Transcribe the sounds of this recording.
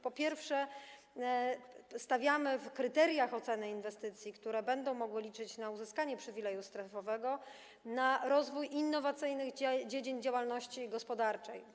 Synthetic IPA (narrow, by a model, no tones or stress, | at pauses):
pɔpʲjɛɾfʂɛ | st̪avʲjamɘfkɾɘt̪ɛɾʲjaxɔt̪sɛnɘinvɛst̪ɘt̪sʲjikt̪uɾɛbɛnd̪ɔ̃w̃mɔɡwɘlʲit͡ʂɘt͡ɕnauzɘskaɲɛpʂɘvʲilɛjust̪ɾɛfɔvɛɡɔ | naɾɔzvujʔinːɔvat̪sɘjnɘɣd͡ʑed͡ʑiɲd͡ʑawalnɔɕt͡ɕiɡɔspɔd̪aɾt͡ʂɛj